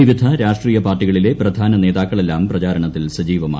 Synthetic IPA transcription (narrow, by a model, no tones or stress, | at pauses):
iʋid̪ʱɐɾaːʂʈriːjɐpaːrʈːiɣɐɭile̞prɐd̪ʱaːnɐne̞ːðaːkkːɐɭe̞lːaːmprɐt͡ɕaːɾɐɳɐt̪ːilsɐd͡ʑiːʋɐma̰ː